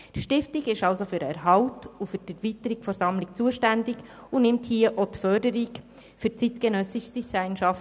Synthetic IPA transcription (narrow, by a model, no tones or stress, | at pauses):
tʃtɪftiɡɪʃɑwsofyɾɛ̰ɾɦɑwtufytɛɾvitəɾikfɔɾsɑmlɪkt͡suəʃtændɪɡ | unɪmthiəʔot̪fœrdəɾik | fyt͡sitkɛnœsɪʃsisæɪnʃɑft